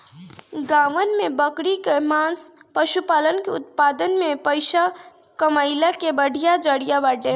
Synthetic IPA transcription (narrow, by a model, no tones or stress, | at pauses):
ɡãʋənmebəkɽikemãspəʃupalənkeṵt̪̚pad̪ənmepəjsa | kəməɪlakebəɽʱijad͡ʒəɽijabaɖe